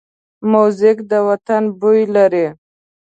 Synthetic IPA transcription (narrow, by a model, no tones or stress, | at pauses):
mozɪkd̪əwat̪anbujlaɾi